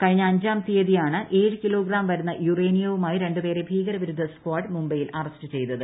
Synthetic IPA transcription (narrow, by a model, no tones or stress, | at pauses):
kɐɻiɲːɐːɲd͡ʑaːmt̪ijɐðijaːɳɨʔe̞ːɻɨkilo̞ːɡɾaːmʋɐɾunːɐjureːnijɐʋumaːjiɾe̞ɳɖupe̞ːɾe̞bʱiːɡɐɾɐʋiɾud̪ʱːɐskwaːʈmumbɐjilʔɐrɐstɨt͡ɕe̞jt̪ːɐðɨ